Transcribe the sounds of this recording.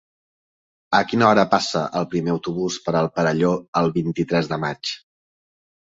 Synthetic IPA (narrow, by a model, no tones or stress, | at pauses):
əkinəɔɾəpasəʔəlˠpɾimeəwt̪uβuspəɾəlˠpəɾəʎoəlˠβint̪it̪ɾɛzðəmat͡ʃ